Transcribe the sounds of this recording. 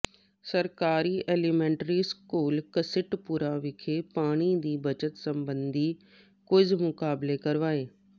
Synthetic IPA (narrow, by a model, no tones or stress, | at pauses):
səɾkaːɾiːʔeːlimɛ̃ːɳʈɾiːskuːlkəsɪʈpuːɾaːʋɪkʰeːpaːɽ̃iːd̪iːbət͡ʃət̪sə̃mbənd̪ʱiː | kʊd͡ʒmʊkaːblekəɾʋaːeː